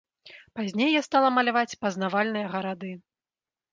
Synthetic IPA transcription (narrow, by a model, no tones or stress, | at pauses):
pazʲnʲejːast̪alˠɐmɐlʲavat͡sʲpɐznavalʲnɨjɐɣɐɾad̪ɨ